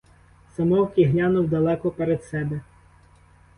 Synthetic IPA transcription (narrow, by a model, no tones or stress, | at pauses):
sɐmɔwkɪɦlʲanʊwd̪ɐlˠɛkɔpeɾed̪sɛbɛ